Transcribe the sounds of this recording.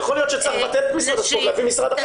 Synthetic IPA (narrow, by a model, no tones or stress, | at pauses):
χolijo̞t̪ʃet͡slaχbat̪et̪misʁad̪aʃoʁlavimisʁad̪aχ